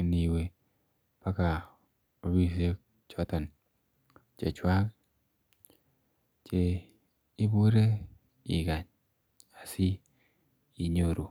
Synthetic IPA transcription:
ni˨we˨ | pa˦ka˨ | o˨˦wi˨s̬e˦ | t͡ʃɔ˦t̪ɔ˨n | t͡ʃḛ˨t͡ʃwa˦k | t͡ʃe˨ | i˦bu˦ɾe˦ | ḭ˨ɡa˨ɲ | a˨siː˦˨ | ɲo˨ɾu˨

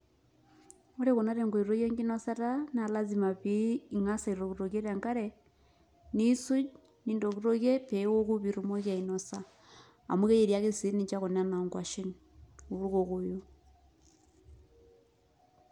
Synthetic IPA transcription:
o˦ɾe˦ko˨na˦ɾe˨ŋɡo˨i˨ɾo˦ɣje˦ŋɡi˦nɔ˦sa˦ta˦na˨la˦zi˨ma˨piː˦ŋa˦sa˨i˨ɾo˨ɣu˨ɾo˨ɣe˦ɾa˨ŋka˦ɾɛ | ni˦su˦d͡ʒ | ni˦ndo˨ku˦ɾo˦ɣje˦pɛ˦ɣo˦ku˦βi˨ɾu˨mo˦ɣja˨i˨nɔ˨sa˨ | a̰˨mwu˦ɣe˦je˨ɾja˦ɣe˦si˦ni˨t͡ʃa˦ɣo˨na˦na˨ŋɡwa˨ʃi˦n | u˨ɾu˦ɣo˨ɣo˨jo˦

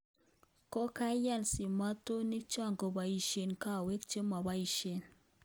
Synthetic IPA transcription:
ko˦ka˦ja˦˨lsi˨ma˦to˦ni˦k̚t͡ʃɔ˦˨ŋɡo˨ba˨i˨ʃe˨nka˦˨we˦kt͡ʃe˦ma˨ba˦i˨ʃe˨n

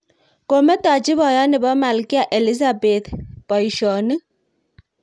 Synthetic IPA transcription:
ko˨mɛ˦ta˨t͡ʃi˦βɔ˨jɔ˦nɪ˨bɔ˦ma˨lki˦a˨ʔe˨li˦z̬a˨be˨t̪pɔ˨i˨ʃɔ˨ni˦

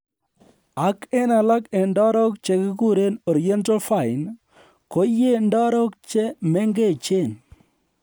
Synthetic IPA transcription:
a˨˦ke˦na˨la˦ke˨ndɔ˦ɾɔ˦k̚t͡ʃe˨kɪ˦ku˦ɾe˦nɔ˨ɾi˨ɛ˦nta˦lfa˦˨ɪ˨n | ko˦jːe˦ndɔ˦ɾɔ˦k̚t͡ʃe˦mɛ˦ŋɡe˦˨t͡ʃe˦˨n

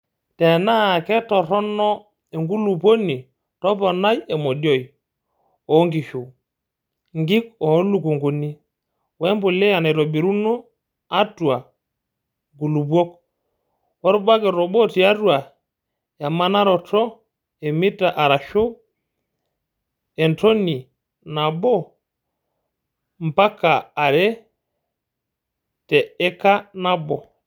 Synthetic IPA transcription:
tɛ˨na˦˨kɛ˦tɔ˨ɾɔ˦nɔ˦ | e˨ŋɡu˦lu˨po˦ni˨ | tɔ˦pɔ˨na˦je˨mɔ˨djɔ˦j | ɔ˨˦ŋɡi˨ʃo˨ | ŋɡi˦kɔ˨˦lu˨ku˨ŋɡo˨ni˦ | wɛ˦mbo˨le˦ja˨nɛ˨ɾo˨bi˨ɾu˦no˦ | a˦tu˨a˨ | ŋɡu˨lu˨bwɔ˦k | wɔ˦ɾɔ˦ba˦kɛ˨ɾɔ˨ɓɔ˦ti˨a˦twa˨ | ja˨ma˦na˦ɾɔ˨tɔ˦ | e˨mi˦ta˨ʔa˨ɾa˨ʃo˦ | ɛ˨ntɔ˦ni˨ | na˨bɔ˦ | m˨pa˦kaː˨ɾɛ˦ | tɛ˨ɛ˦ka˦na˦bɔ˨

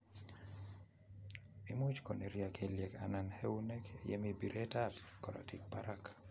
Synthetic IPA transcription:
mi˦mu˦t͡ʃko˨ne˨ɾja˨kʰeljɛ˨kana˨nhe˦u˦nɛ˦kejɛ̰˦mibi˨ɾʔe˦tatkɔ˨ɾa̰˨tik̚paɾak

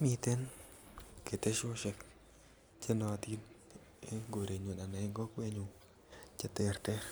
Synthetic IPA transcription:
mi˧t̪e˦n | ke˨t̪e˦ʃo˦ʃe˧k | t͡ʃe˦nɔ˧t̪i˦n˦ | ŋɡo˨ɾe˨ɲo˨na˨na˨e˦ŋɡɔ˦kwe˧ɲu˧ | t͡ʃa˦˧t̪e˧˨ɾt̪e˦ɾ

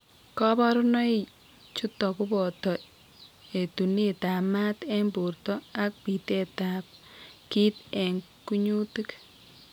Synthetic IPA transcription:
kɔ˦bɔ˦ɾʊnɔ˦i | t͡ʃu˦tɔ˨kʊ˦bɔ˨tɔ˨ | e˨tu˨ne˦ta˨ma˦te˦mbu˨rtɔ˦a˦k̚pi˨te˦tap̚ki˦te˨ŋ | ku˦ɲu˦ti˦k

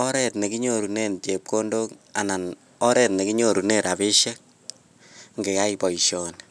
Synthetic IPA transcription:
ɔ˦ɾɛ˨tne˨ki˦ɲoɾu˨ne˦nt͡ʃe˨p̚ko˦ndo˦ka˨na˨n | ɔ˦ɾɛtne˨ki˦ɲo˨ɾu˨ne˦˨ɾa˨be˦ʃe˦k̚ | ŋɡe˨ja˦ipɔ˨i˨ʃjɔ˨n

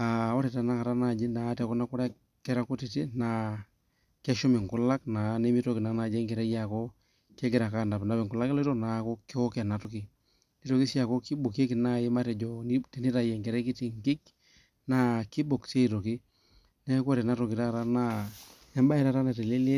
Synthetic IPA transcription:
a˨ɔ˦ɾɛ˨ta˨na˦ka˨ɾa˦na˨d͡ʒi˦na˨˦tɛ˨kɔ˦na˦ku˦ɾɛ˦ | kɛ˦ɾa˦ko˦ti˨ti˦na˨ | kɛ˦ʃɔ˦mɪ˨ŋkʊ˦la˦kna˨ne˦mi˦to˦ki˨na˨na˨d͡ʒɛ˦ŋkɛ˨ɾɛ˦ja˨kɔ˦ | kɛ˦ɡɛ˦ɾa˨ka˦nda˨pna˦pɛ˨ŋku˨la˦kɛ˦lto˦na˨˦kɔ˦ki˦ɔ˦kɛ˨na˨tu˦ki˨ | ni˦to˨ki˦si˦a˨kɔ˦ki˦bo˨ke˦ki˨na˦i˦ma˦tɛ˨d͡ʒɔ˨ni˦ti˨ni˦ta˨jɛ˨ŋkɛ˨ɾɛ˦ki˦ti˨ŋki˦k | na˨ki˦bo˨kse˦i˨to˨ki˦ | nɛ˦kɔ˦ɾɛ˨na˦tɔ˨kɪ˨ta˦ka˨ɾa˦na˦ | ɛ˦mba˦i˨ɾa˦˨ta˦na˨tɛ˨le˦le˦

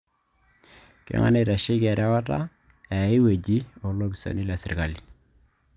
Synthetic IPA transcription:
kḛ˦ŋa̰˦ne˨ɾa˨ʃi˦kɛ˨ɾa˦wa˦ta̰˦ | ɛ˨˦i˦we˨d͡ʒi˦o˨lo˦ki˨so̰˨ni˦la˨sɪ˨rka˨li˨

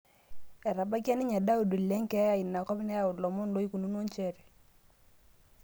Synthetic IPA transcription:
ɛ˨ɾa˨ba˦ka˦ni˦ɲa˨da˦u˨du˨lɛ˦ŋkɛ˦a˨i˨nːa˨kɔ˦bi˦nɛ˦ja˦˨ʊ˨lɔ˨mo˦ndo˦i˦ku˨nu˦no˦nt͡ʃɛ˦˨ɾi˨

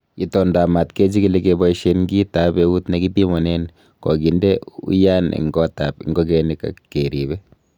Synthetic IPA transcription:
ki˨tɔ˨nda˨ma˨tkɛ˦d͡ʒi˦ki˨lɛ˦kebɔ˦iʃenŋɡi˦ta˦bɛu˦tnɛ˦ki˦ti˦mɔ˨nɛ˦n | kɔ̰˨ɡi˨ndɛ˦ṵ˦ja˦nḭ˨ŋɡɔ˦tapḭ˨ŋɡɔ˦k̬ɛ˨nika̰keɾi˨bɛ˦

